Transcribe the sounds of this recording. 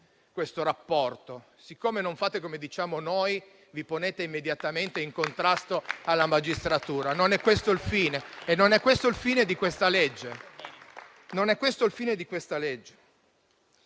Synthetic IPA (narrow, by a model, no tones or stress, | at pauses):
kwest̪oɾapːɔrt̪o | sikʰːoːmenoɱfaːt̪ekomed̪it͡ʃaːmonoj | viponeːt̪eimːed̪jat̪ament̪eiŋkont̪ɾast̪oalːamad͡ʒist̪ɾat̪uːɾanonɛkːwest̪oilfiːneenːonɛkːwest̪oilfiːned̪ikwest̪aled͡ʒːe | nonɛkːwest̪oilfiːned̪ikwest̪aled͡ʒːe̥